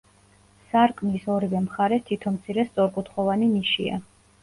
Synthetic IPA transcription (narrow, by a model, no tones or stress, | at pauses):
saɾkʼmisɔɾivɛmχaɾɛst̪ʰit̪ʰɔmt̪sʰiɾɛst̪sʼɔɾkʼut̪ʰχɔvaniniʃḭa̰